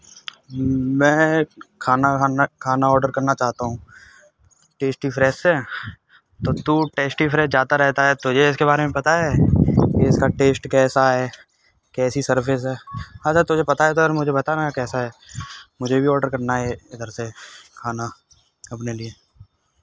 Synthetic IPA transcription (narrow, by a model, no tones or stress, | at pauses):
mɛ̃ːkʰaːnakʰaːnaɔːɾɖəɾkɐɾnat͡ʃaːɦt̪aɦũː | ʈeːsʈipʰɾɛːsɛː | t̪ot̪uʈeːsʈipʰɾɛːsd͡ʒjaːd̪aɾɛɦt̪aɦɛt̪ʊd͡ʒʱeɪskeβaːɾemẽpɐt̪aɦɛkiɪskaʈeːsʈkɛːsaɦɛː | kɛːsisɐɾpʰɪs̬ɦɛːad͡ʒaɾt̪ʊd͡ʒʱepɐt̪aɦɛt̪oɾmʊd͡ʒʱebɐt̪aɾɛakɛːsaɦɛːmʊd͡ʒʱebʱiɔːɾɖəɾkɐɾnaɦɛɪd̪əɾsekʰaːna | ɐpnelieː